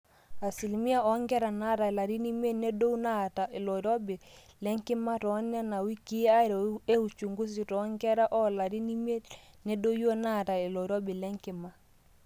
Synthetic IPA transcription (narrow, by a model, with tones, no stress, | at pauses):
a˨si˨lmi˦a˦ɔ˨˦ŋɡɛ˦ɾa˨na˦ta˨la˨ɾi˦ni˦me˦ne˦do˦u˦na˦˨ta˨e˨lɔ˨ɾo˦bi˨lɛ˦ŋkɪ˦ma˦tɔ˨˦nja˦na˨wi˦ki˦a˦˨ɾe˦u˨t͡ʃu˨ŋɡu˦s̬i˨tɔ˨˦ŋɡɛ˦ɾa˦ʔɔ˦la˨ɾi˦ni˦me˦ | ne˦do˦jo˦na˦˨ta˨e˨lɔ˨ɾɔ˦bi˨lɛ˦ŋkɪ˨ma˦